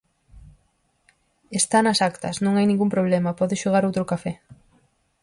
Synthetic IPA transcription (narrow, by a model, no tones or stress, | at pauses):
est̪anɐsakt̪ɐ̰snũŋajnĩŋɡumpɾoβ̞lɛmɐpɔðɪʃoɣ̞aɾowt̪ɾʊkafɛ